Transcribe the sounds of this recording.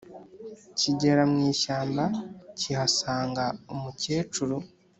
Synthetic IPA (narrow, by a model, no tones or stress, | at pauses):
ciɟe̞ɾamŋiːʃaːmbacihasaːŋɡaomuceːt͡ʃuɾu